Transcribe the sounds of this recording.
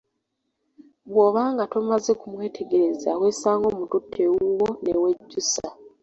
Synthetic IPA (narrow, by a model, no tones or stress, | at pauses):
βwoːβaːŋɡatomaze̞kumwe̞ːtʰeɡe̞ɾezaweːsaːŋɡo̞ːmututʰːeuwonewe̞ɟːusa